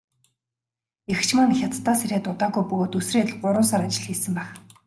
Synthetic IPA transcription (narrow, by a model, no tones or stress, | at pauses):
ext͡ɕʰmanxʲat̪t̪ːaːseɾʲæːt̪ʊt̪aːɣujpɵɣoːt̪ɵsreːt̪̆ɮɢʊɾʊːnsaɾat͡ɕɪ̆ɮxiːsɘ̆mpæːχ